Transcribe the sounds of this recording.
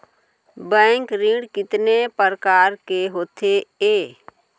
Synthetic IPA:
bɛ̃ːŋkɾĩɽkɪt̪nepəɾəkaːɾkeɦoːt̪ʰeeː

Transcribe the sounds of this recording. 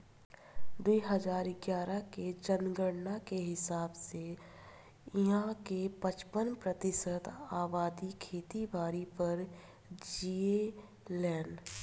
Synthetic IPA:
d̪uiɦəzaːɾɡjaːɾaked͡ʒənɡəɽnakeɦɪsaːbse | ɪɦãkepət͡ʃpənpɾət̪ɪsət̪aːbaːd̪ikʰeːt̪ibʱaːɾipəɾ | d͡ʒie | lɛ̃ːɳɖ

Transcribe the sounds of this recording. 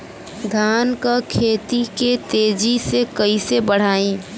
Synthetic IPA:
d̪ʱaːnkakʰeːt̪iket̪eːd͡ʒisekəisebəɽ̤aːĩː

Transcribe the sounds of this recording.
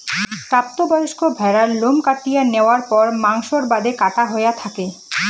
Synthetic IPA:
pɾap̚t̪obɔjoʃkʰobʱɛɾaɾlomkaʈːijaneoaɾpɔɾmaŋʃoɾbad̪ekaʈaɦoeat̪ʰake

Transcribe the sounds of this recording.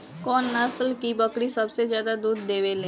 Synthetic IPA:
kɔːnːasəlkibɐkɽisɐbsezjaːd̪ad̪uːd̪ːeːʋeleː

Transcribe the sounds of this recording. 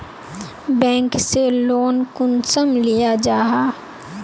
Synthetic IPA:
bɛ̃ːŋkseloːnkʊnsəmlijad͡ʒaːɦaː

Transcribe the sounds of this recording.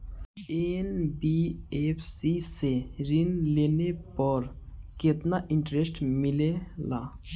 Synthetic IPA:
ʔenbiɛpsiseɹinlenepaɹket̪̚naʔintɹɛstmilela̰

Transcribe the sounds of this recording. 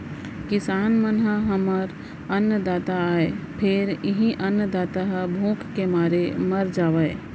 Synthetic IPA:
kɪsaːnmənɦəɦɐməɾ | ɐnːjəd̪aːt̪aːepʰɪɾɪɦĩʔɐnjd̪aːt̪aɦbʱũːkkemaːɾemɐɾd͡ʒaːʋee

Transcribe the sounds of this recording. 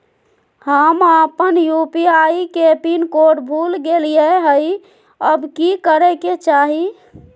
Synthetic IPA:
həməpənjupiaikepinkoɖbʱulɡelijeɦəj | əbkikəɾɛket͡ʃaɦi

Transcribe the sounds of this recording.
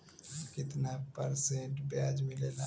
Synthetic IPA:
kɪt̪napəɾsẽʈbjaːd͡ʒmɪlela

